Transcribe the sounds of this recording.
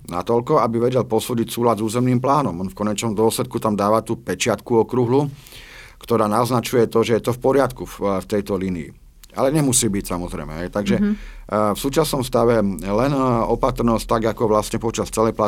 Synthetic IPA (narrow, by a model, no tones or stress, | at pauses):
na̰t̪ɔʎkɔabiʋɛɟɛlpɔsuːɟicsuːlad̪zuːzɛmniːmplaːnɔmɔnfkɔɲɛt͡ʃnɔmd̪ʊɔslɛt̪̚kut̪amd̪aːʋat̪uːpɛt͡ʃɪat̪kuɔkɾuɦlu | kt̪ɔɾaːnaɔznat͡ʃujɛt̪ɔʒɛjɛt̪ɔfpɔɾɪat̪kuft̪ɛjt̪ɔliniḭ | a̰lɛɲɛmusiːbicsamɔzɾɛ̰jmɛ̰ɦɛjt̪aɡʒɛ | fsuːt͡ʃasnɔmst̪aʋɛlɛnɔpat̪ɾnɔst̪aɡakɔʋlasɲɛpɔt͡ʃast͡sɛlɛjpla